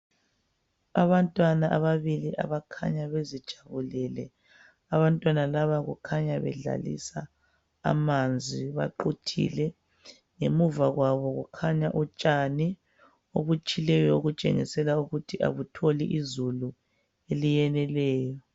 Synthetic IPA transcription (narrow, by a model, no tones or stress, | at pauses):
aβantʼwanaʔaβaβiliʔa̰βakʰa̰ɲaβezid̥ʒ̥ʱaβulɛlɛ | aβantʼwanalaβaɣṵkʰaɲaβɛ̰ɮa̰lḭsa̰ː | mand͡zʱiβa̰ǃutʰḭlɛ | ŋemuvaɣwaβɔɣukʰaɲaʔut͡ʃʼani | oβut͡ʃʼilɛjɔoɣut͡ʃʼḛŋḭsɛlauɣutʰiʔa̰βutʰoliʔizulu | elijɛnɛlɛːjɔ